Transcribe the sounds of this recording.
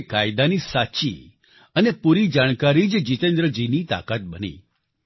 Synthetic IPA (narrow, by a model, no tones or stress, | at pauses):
kajd̪anisat͡ʃḭ | ənepuɾid͡ʒaɽ̃kaɾid͡ʒd͡ʒit̪ẽnd̪ɾəd͡ʒinit̪a̰kat̪̚bənḭ